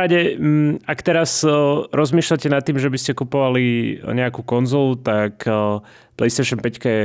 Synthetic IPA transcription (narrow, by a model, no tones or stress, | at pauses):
aɟɛakt̪ɛɾasɾɔzmiːʃlacɛnat̪ːiːmʒɛbiscɛkupɔʋaliɲɛakukɔnzɔːlut̪ak | plɛjst̪ɛʃɔnpɛckajɛ